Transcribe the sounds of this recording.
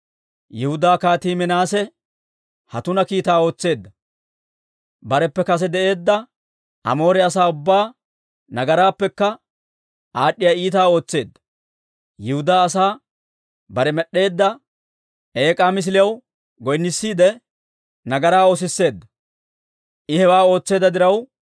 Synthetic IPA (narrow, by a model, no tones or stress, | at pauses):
jɛhʊd̪aːkaːt̪iːmɛnaːsɛ | hɐt̪ʊnɐkiːt̪aːo̞ːt͡sːe̞ːd̪ːɐ | bɐɾɛpːɛkɐs̬ɛd̪ɛʔe̞ːd̪ːɐ | ʔɐ̰mo̞ːɾɛɐsaːʊbːaː | nɐɡɐɾaːpːɛkːɐ | ʔaːɗːɪjaiːt̪aːo̞ːt͡sːe̞ːd̪ːɐ̥ | jɪhʊd̪aːsaː | bɐɾɛmɛɗːe̞ːd̪ːɐ | e̞ːkʼaːmɪs̬ɪlɪjɐw | ɡɔjnːɪsːiːd̪ɛ | nɐɡɐɾaːo̞ːs̬ɪsːe̞ːd̪ːɐ | ʔɪhɛwaːo̞ːt͡sːe̞ːd̪ːɐd̪ɪɾɐw